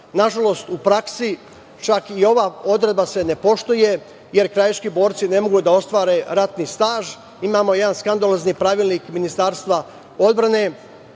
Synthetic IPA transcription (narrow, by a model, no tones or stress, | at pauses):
naʒalo̞st̪upɾaksi | t͡ʃakio̞ʋaːo̞d̪ɾed̪base̞ne̞po̞ʃt̪oje̞ | je̞ɾkɾajat͡ʃkibo̞ːɾt̪sine̞mo̞ɡud̪ao̞st̪ʋaːɾe̞ɾat̪nist̪aːʒ | imaːmo̞je̞d̪anskand̪alozniːpɾaʋiːlniːkminist̪aːɾst̪ʋa | o̞d̪bɾane̞